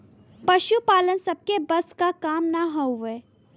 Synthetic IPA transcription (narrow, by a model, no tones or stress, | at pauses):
pɐʃupaːlənsɐb̚kebɐskakaːmnɐɦɐuʋeː